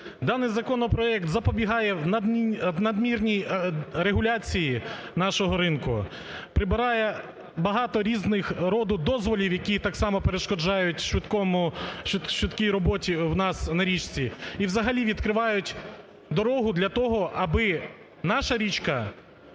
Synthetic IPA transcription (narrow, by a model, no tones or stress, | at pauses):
d̪ɑnɪjzɐkɔnɔpɾɔɛkt̪zɐpɔbʲiɦɑjɛwnɐnɐd̪mʲirnʲijɾeɦʊlʲɑt͡sʲijinɑʃɔɦɔɾɪnkʊ̰ | pɾɪbɪɾɑjɛ | bɐɦɑt̪ɔɾʲiznɪxɾɔd̪ʊd̪ɔzʋɔlʲiwjɐkʲit̪ɑksɑmɔpeɾeʃkɔd͡ʒɑjʊtʲʃʋɪt̪kɔmʊʃʋɪt̪kʲijɾɔbɔtʲiwnɑsnɐɾʲit͡ʃt͡sʲiiwzɐɦɐlʲiʋʲid̪kɾɪʋɑjʊtʲ | d̪ɔɾɔɦʊd̪lʲɐt̪ɔɦɔʔɐbɪ | nɑʃɐɾʲit͡ʃkɐ